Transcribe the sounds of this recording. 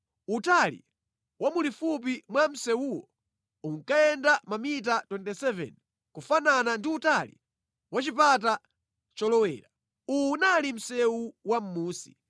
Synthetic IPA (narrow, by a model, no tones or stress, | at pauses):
utalḭ | wʔamulifup̬imwam̩sɛwuwɔ̰ | uŋkaɛndamamit̬atwɛntɛsɛvɛ̰n | kufananandiutalḭ | wat͡ʃip̬at̬a | t͡ʃɔlɔwɛ̰ːɾa | unalim̩sɛwuwam̩muːsi̥̰